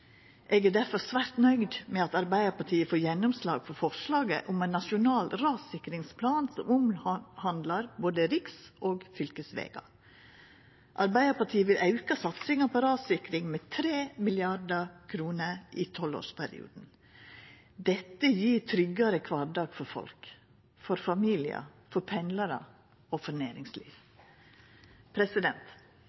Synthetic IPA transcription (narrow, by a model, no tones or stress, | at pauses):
ʔeːɡæɖæɾfɔɾsʋæɾt̪nœʏd̪mɛɑt̪ɑɾbæɪəɾpɑʈʰiːəfoːɾjɛnːʊmslɑ̰ːɡfɔɾfɔʂlɑːɡə̰ʔʊmɛɪnːɑʃʊnɑːlɾɑːsɪkɾɪŋspʰlɑːnsɔmʊmhɑnd̪lɑɾboːd̪əɾɪksʔoːɡfʏlkəsʋḛːɡɑ̰ | ʔɑɾbæɪəpɑʈʰiːəʋɪlʔɑʉkɑsɑt̪sɪŋɑpʰɔɾɑːsɪkɾɪŋmɛːt̪ʰɾeːmɪlɪɑɖəkʰɾuːnəʔiːt̪ʰɔlo̰ːʂpʰæɾɪ̰ṵːd̪n̩ | d̪ɛt̪ːəjiːɾt̪ʰɾʏɡɑɾəkʰʋɑːɖɑːɡ̥fɔɾfɔ̰lk | fɔɾfɑmiːlɪə̰fɔɾpʰɛnlɑɾə̰ | oːfɔneːɾɪŋslḭːʋ | pʰɾɛsɪd̪ɛnt̪